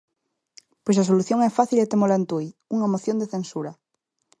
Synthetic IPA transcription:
pojs̬as̬oluθjoŋɛfaθilet̪emolant̪ujuŋamoθjond̪eθensuɾɐ

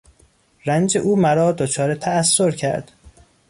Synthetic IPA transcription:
ɾænd͡ʒe̞̰ʔuːmæɾɒːd̪ot͡ʃʰɒːɾet̪ʰæːsːoɾcʰæ̰ɾd̪̥

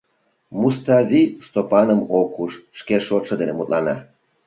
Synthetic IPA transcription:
must̪ɑvʲist̪opɑnəmokuʃʃkeʃoʃɤ̆d̪enemut̪ʼlɑnɑ

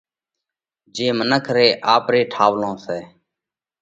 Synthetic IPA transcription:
d͡ʒeːmənəkʰɾeːʔaːpɾeːʈʰaːʋlõːsɛː

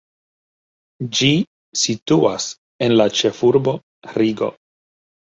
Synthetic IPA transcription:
d͡ʒi | situas | e̞nlat͡ʃe̞fuɾbo̞ | ɾiɡo̞̰

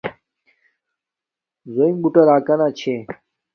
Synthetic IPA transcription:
zoĩŋbuʈɐɾaːkanat͡ɕʰe

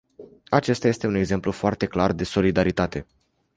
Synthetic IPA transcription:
at͡ʃe̞st̪ajest̪e̞une̞ɡze̞mplufoart̪e̞klard̪e̞so̞lid̪aɾit̪at̪e̞

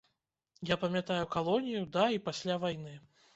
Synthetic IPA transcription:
japɐmʲjat̪ajukalˠɔnʲijud̪aipasʲlʲavajnɨ

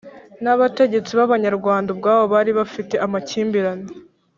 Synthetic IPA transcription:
naβate̞ɟe̞t͡siβaβaɲaɾɡwaːndabɡaːβoβaɾiβafite̞ʔamaciːmbiɾane

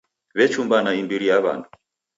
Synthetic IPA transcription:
βɛt͡ʃumbanaimbiɾijaβa̰ndʰu̥

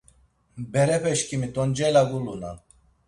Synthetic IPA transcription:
bɛɾɛpʰɛʃkimit̪ɔnd͡ʒɛlaɡuluna̰

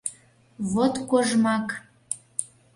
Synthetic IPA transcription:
βot̪koʒmɑk

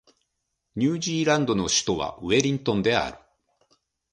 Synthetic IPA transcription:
ɲ̟ɨːʑiːɾãnd̪o̞no̞ɕi̥t̪o̞βa̰ɯe̞ɾʲĩnt̪õ̞nd̪e̞a̰ɾɯ̟̥

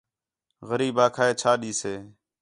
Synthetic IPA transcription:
ɣəɾiːbaːkʰaːeːt͡ʃʰaːɗiːseː

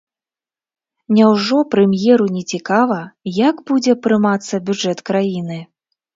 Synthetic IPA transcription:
nʲawʐɔpɾɛmjɛɾunʲɛt͡sʲikavɐjaɡbud͡zʲɛpɾɨmat̪sːɐbʲud͡ʐɛt̪kɾajinɨ

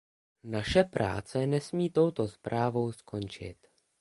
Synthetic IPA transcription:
naʃɛpɾa̰ːt͡sɛnɛsmiːt̪o̞wt̪o̞spɾʔaːvo̞wsko̞nt͡ʃɪ̰t̪

